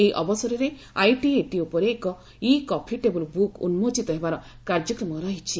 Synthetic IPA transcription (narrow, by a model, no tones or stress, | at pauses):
eiʔɔbɔsɔɾɔɾe | ajʈieʈiupɔɾeːkɔ | ikɔpʰiʈebulubukṵnmod͡ʒit̪ɔɦebaɾɔ | kaɾd͡ʒɔkɾɔmɔɾɔɦit͡ʃʰi